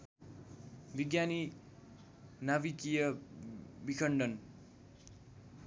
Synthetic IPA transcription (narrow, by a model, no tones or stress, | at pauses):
biɡjani | nabikijʌ | bikʰʌɳɖʌn